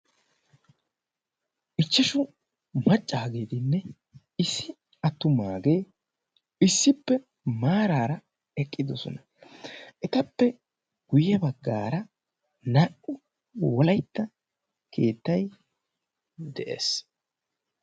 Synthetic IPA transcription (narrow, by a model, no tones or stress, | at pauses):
ʔɪt͡ʃːɛʃʊ | mɐt͡ʃʼːaːɡeːt̪ɪnːɛ | ɪsːɪ | ɐt̪ːʊmaːɡe̞ː | ɪsːɪpːɛ | maːɾaːɾɐ | ɛkʼːɪd̪ɔsɔ̰nɐ̥ | ʔɛt̪ɐpːɛ | ɡ̥ʊjɛbɐɡːa̰ːɾɐ | nɐʔʊ | wɔlɐjt̪ːɐ | kʰe̞̰ːt̪ːɐj | d̪ɛʔḛːs